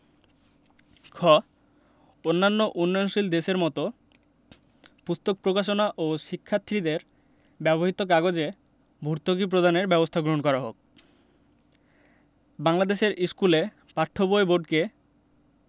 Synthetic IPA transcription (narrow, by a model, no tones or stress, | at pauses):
kʰɔ | onːanːoʔunːojnʃild̪eʃeɾmɔt̪o | pust̪ok̚pɾokaʃ̬onaʔoʃikʰːat̪ʰːɾid̪eɾ | bɛboɦit̪ok̬aɡod͡ʑe | bʱuɾt̪okip̬ɾod̪aneɾbɛbost̪ʰaɡɾoɦonkɔɾaɦo̰k̚ | baŋlad̪eʃeɾiskule | paʈʰːoboeboɖke